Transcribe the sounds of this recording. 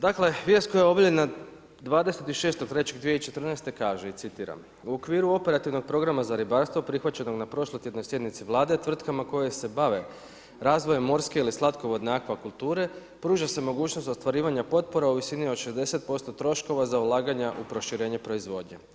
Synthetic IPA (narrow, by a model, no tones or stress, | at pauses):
d̪akle̞ʋjest̪ko̞jajeo̞bilʎena | d̪ʋaːd̪e̞se̞t̪iʃe̞ːst̪o̥t̪ɾe̞t͡ɕe̞ɡd̪ʋijeit͡ʃe̞t̪ɾr̩nejst̪e̞kaːʒeit̪sit̪iːɾa̰m | uo̞kʋiːɾuo̞pe̞ɾat̪iʋno̞ɡ̚pɾo̞ɡɾamazaɾibaɾst̪ʋo̞pɾixʋat͡ɕe̞no̞ɡnapɾo̞ʃlojt̪je̞d̪nojsje̞d̪nit̪siʋlˠaːd̪e̞t̪ʋr̩t̪kamako̞jese̞baʋe̞ | ɾaːzʋojemːo̞ɾske̞ilislˠat̪koʋo̞d̪neakʋakulˠt̪uːɾe̞ | pɾuːʒase̞mo̞ɡuːt͡ɕnost̪o̞st̪ʋaɾiːʋaɲapo̞t̪̚poɾauʋisinioʃezd̪e̞se̞t̪̚po̞st̪o̞t̪ɾo̞ʃko̞ʋazaulˠaːɡaɲaʔupɾo̞ʃiɾe̞ːɲe̞pɾo̞izʋo̞d̪ɲe